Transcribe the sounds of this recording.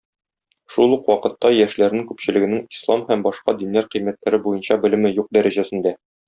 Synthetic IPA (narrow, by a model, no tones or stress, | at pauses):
ʃulˠuqwɒqɤ̆t̪ːɑjæʃlæɾnɘŋkʉpɕɘ̆lɘ̆ɡɘ̆nɘŋislˠɑmhæmbɒʃqɑd̪inlæɾqɤ̆jmæt̪læɾɘbujɤ̆nɕɑbɘ̆lɘ̆mɘjuq̚d̪æɾæʑæsɘ̆nd̪æ